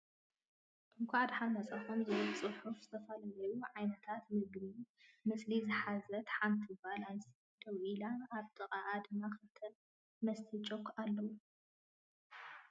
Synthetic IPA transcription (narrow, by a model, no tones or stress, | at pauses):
ʔɨŋkʷʰaʕad̪ħanːɐt͡sʼɐxumzɐt͡sʼɨħufz̥ɨt̪ʰɐfɐlalɐjuʕajnɐt̪ʰat̪mɨɡni | mɨslizɨħazɐt̪ħamt̪ʰibalansi | d̪̥ɐwʔilaaβt̪ʰɨqʼaʔad̪ɨmaxɨt̪ʰɐn | mɐst̪ʰit͡ʃʼokːalːɐwu